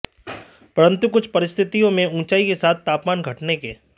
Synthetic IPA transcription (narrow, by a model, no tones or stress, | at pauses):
pɐɾə̃nt̪ukʊt͡ʃʰpɐɾɪst̪ʰɪt̪ijõmẽũːt͡ʃaːikesaːt̪̚ʰːaːpmaːnɡʱɐʈnekeː